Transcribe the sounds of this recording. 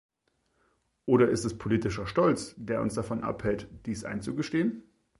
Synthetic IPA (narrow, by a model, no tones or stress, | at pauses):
ʔoːɾɐʔɪstɛspʰoliːtɪʃɐʃtɔlt͡sd̥eːɐʔʊ̰nsd̥afɔnʔa̰phɛltd̥iːsʔa̰ɪnt͡suɡəʃteːən